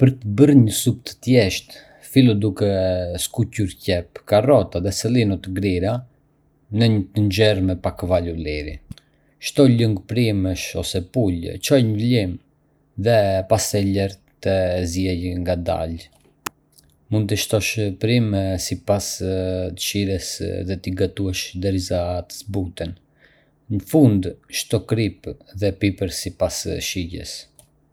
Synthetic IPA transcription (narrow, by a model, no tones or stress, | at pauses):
pəɾt̪əbəɾɲəsup̚t̪ə̥t̪jɛʃt̪ | filˠud̪ukɛskucuɾcɛpkarɔt̪aðɛsɛlinut̪əɡɾiɾa | nəɲət̪ənd͡ʒɛɾmɛpakvaluliɾḭ | ʃt̪ɔləŋɡpɾiməʃɔsɛpult͡ʃɔjɲəvlim | ðɛpast̪ɛlɛɾ | t̪əzjɛjŋɡad̪a̰l | mund̪̚t̪əʃt̪ɔʃpɾimsipast̪ə̥ʃiɾɛsðɛt̪iɡat̪uɛʃd̪ɛɾizat̪ə̥zbut̪ɛn | nəfund̪ʃt̪ɔkɾipðɛpipəɾsipasʃiɟɛ̰s